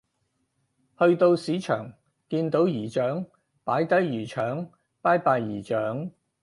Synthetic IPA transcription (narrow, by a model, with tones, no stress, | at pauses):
hɵ˧ɥt̪o˧wsiː˨˥t͡ʃʰœ̰ː˨˩ŋ | kiː˧nt̪o˨˥wjiː˨˩t͡ʃœː˨˥ŋ | paː˨˥jt̪ɐ˨˥jjyː˨˩t͡ʃʰœː˨˥ŋ | paː˥jpaː˧jːiː˨˩t͡ʃœː˨˥ŋ